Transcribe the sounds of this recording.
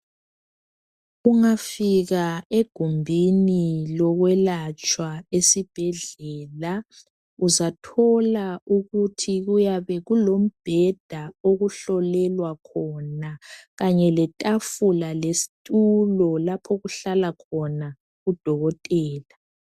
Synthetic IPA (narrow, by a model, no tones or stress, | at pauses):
uŋafiɣaeɡ̥ʱumbʱinilɔɣwɛlat͡ʃʼwaesib̥ʱɛɮɛːla | uzatʰɔlauɣutʰiɣujaβɛɣulom̩b̥ʱɛd̥ʱaoɣuɬɔlɛlwakʰɔnaɣaɲɛlɛtʼafulalesi̥tʼulɔlapʰoɣuɬalakʰɔna | ɣud̥ʱɔɣɔtʼɛːla